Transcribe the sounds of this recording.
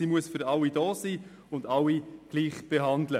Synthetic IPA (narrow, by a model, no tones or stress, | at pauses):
iːmuəsfʏɾɑwidoːsiː | ʊndɑwːiɡ̥liːχb̥eɦɑndlə